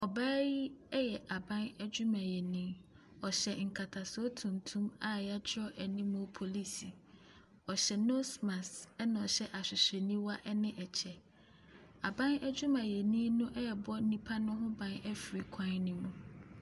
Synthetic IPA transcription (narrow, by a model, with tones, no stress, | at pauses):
ɔ˨baː˦ji˦ɛ˦jɛ˨ʔa˨bã˦nɛ˦d͡ʑʊ˦mã˨jɛ˨nĩː˦ | ɔ˨ɕɛ˨ŋ̩˨kʰa˨tʰa˨sɔ˦tʰũ˨n˨tʰũ˦ma˨ja˦d͡ʑʰɪ˦ɔ˦ʔæ˨nĩ˦mʊ̃˦pʰo˨li˦si˨ | ɔ˨ɕɛ˨no˦smã˨sɛ˦nã˨ɔ˨ɕɛ˦ʔa˨ɕᶣɪ˨ɕe˨nĩ˦wa˦ʔɛ˦nɪ̃˦ʔɛ˨t͡ɕʰɛ˨ | a˨bã˦næ˦d͡ʑʊ˦mã˨jɛ˨nĩ˦nʊ̃˦ʔɛ˦jɛ˨bɔ˦nĩ˦pʰa˦nʊ̃˦ɦʊ̃˦bã˨nɛ˦fɾi˨kʷʰã˦nnĩ˦mũ˨